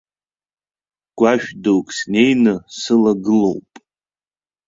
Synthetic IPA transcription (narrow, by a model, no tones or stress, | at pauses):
ɡ̥ʷaʃᶣdowkʼsne̞jnɨsɨlaɡɨlowpʼ